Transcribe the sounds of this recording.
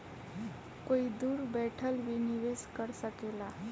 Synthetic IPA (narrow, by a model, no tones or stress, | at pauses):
koid̪uːɾbɛʈʰəlʋiniʋeskəɾsakela